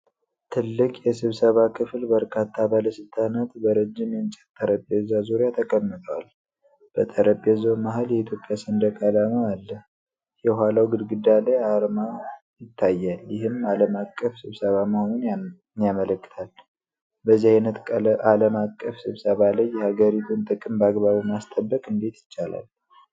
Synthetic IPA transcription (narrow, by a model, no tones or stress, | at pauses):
t̪ʰɨlːɨkʼjɛsɨβsəβakʰɨflbəɾkʰat̪ʰːabaləsɨlt̪ʰʼanat̪bəɾəd͡ʒːɪmjɛnt͡ʃʼɛt̪ʼːəɾəbɛzːazuɾejat̪ʰəkʼəmːɨt̪ʰəwal | b̥ət̪ʼəɾəpʼjɛzowmaɦaljɛit̪ʰjopʼjasɨnd̪əkʼalaməalːəh | jɛɦʷwalawɡɨd̪ɡɨd̪alejaɾma | jɪt̪ʰːajːaljɪɦɨmaləmakʼːəfsɨβsəβamahonun | njamələkːɨ̥t̪ʰal | bəzːihajnət̪aləmakʼːəfsɨβsəβaləjːɛhaɡəɾit̪ʰunt̪ʼɨkʼɨmbəaɡβaβimast̪ʼəbːəkʼɨnd̪et̪jɪt͡ʃːala̰l